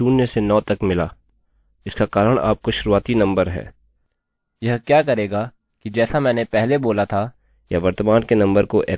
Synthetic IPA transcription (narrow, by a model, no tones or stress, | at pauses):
uːnːəsenɔːt̪ɐkmɪlaː | ɪskakaːɾəɽ̃a̰ːp̚koʃʊɾuaːt̪inɐ̃mbəɾɦɛ̰ː | jɐɦkjaːkɐɾeːɡa | kid͡ʒɛːsamɛ̃ːnepɛɦleboːlat̪ʰa | jaʋɐɾt̪əmaːnkenɐ̃mbəɾkoʔeː